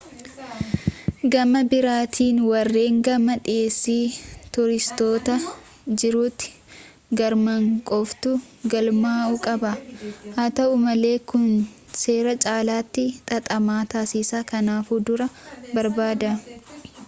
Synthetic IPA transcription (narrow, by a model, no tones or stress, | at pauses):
ɡɐmɐbɪɾaːt̪ʰiːnwɐrːe̞ːŋɡɐmɐᶑeːsːiːt̪ʊɾɪst̪o̞ːt̪ɐ | d͡ʒɪɾuːt̪ːɪ̥ | ɡɐɾmɐŋkʼɔft̪ʊ | ɡɐlmaːukʼɐbɐhaːt̪ɐʔʊmɐle̞ːkʊn | se̞ːɾɐt͡ʃʼaːlaːt̪ːɪt̪ʼɐt̪ʼɐmaːt̪aːsɪsaːkɐnaːfuːd̪ʊɾɐbɐɾbaːd̪ɐ